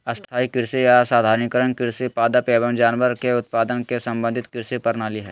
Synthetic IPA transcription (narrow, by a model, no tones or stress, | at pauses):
ɐst̪ʰaːikɪɾsiasaːd̪ʱaːɾnikəɾənkɪɾsipaːd̪apeːbənd͡ʒaːnʋəɾkeʊt̪̚paːd̪ənkesɐ̃mbə̃nd̪ʱɪt̪kɪɾsipɐɾnaːliɦɛː